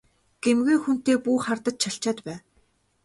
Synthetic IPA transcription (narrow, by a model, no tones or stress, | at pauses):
ɡ̥emɡeːxun̥t̪eːpuːχart̪ə̆t̪t͡ɕʰaɬt͡ɕaːt̪pæː